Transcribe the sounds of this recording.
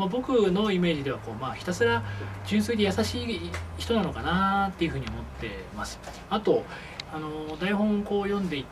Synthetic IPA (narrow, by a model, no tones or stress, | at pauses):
mabo̞kɯ̟no̞ime̞ːʑid̪e̞βako̞ːmaːçi̥t̪asɨɾad͡ʑɨ̃ɰ̃sɨid̪e̞jasaɕiːçi̥t̪o̞nano̞kanat̪ːe̞jɯ̟ɸɯ̟ːɲio̞mo̞t̪ːe̞̰masɨ̥ | at̪o̞ | ano̞d̪aihõ̞ŋko̞ːjõ̞nd̪e̞it̪